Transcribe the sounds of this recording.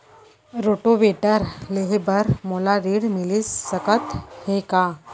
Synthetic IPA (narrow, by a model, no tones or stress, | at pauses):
ɾoʈoʋeʈəɾleɦebəɾmolaɾiːɽmilisːəkət̪hẽka